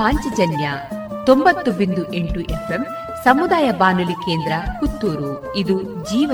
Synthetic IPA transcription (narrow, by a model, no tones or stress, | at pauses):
aːɲt͡ʃɐd͡ʒɐnjɐ | t̪ombɐt̪ːubind̪uʔeɳʈuʔepʰem | sɐmud̪aːjɐbaːnulike̞ːnd̪ɾɐkut̪ːuːɾu | id̪ud͡ʒiːʋɐ